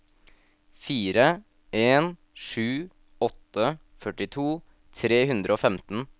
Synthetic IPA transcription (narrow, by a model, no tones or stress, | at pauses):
fiːɾə | ʔeːn | ʂʉː | ɔt̪ə | fœʈɪt̪ʰuː | t̪ʰɾeːhʉnd̪ɾəoːfɛmt̪n̩